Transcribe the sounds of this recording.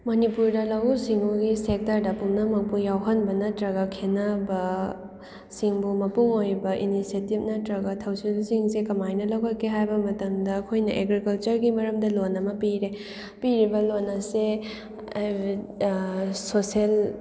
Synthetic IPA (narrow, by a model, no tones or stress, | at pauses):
mɐnipuɾdɐlawusiŋuɡisek̚tɐɾdɐpumnɐmɐk̚pujawɦɐnbɐnɐtɾɐɡɐkʰenɐbɐ | siŋbumɐpuŋojbɐʔinisetip̚nɐtɾɐɡɐtʰɐwsilsiŋsekɐmajnɐlɐwkɐkʰːeɦajbɐmɐtɐmdɐːkʰojnɐʔeɡɾikɐlt͡ʃɐɾɡimɐɾɐmdɐlonːɐmɐpiɾe | piɾibɐlonːɐse | sosel